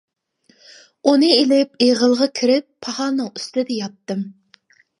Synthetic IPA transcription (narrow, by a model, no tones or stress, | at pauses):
unɨelɪpeʁəlˠʁɑkʲʰiɾɪpʰːɑhɑːnɨŋyst̪ɪd̪ɛjɑt̪ːɨm